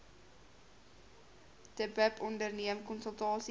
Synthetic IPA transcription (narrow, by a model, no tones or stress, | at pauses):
d̥əbəpɔndərniəmkɔnsəlˠtɑːsi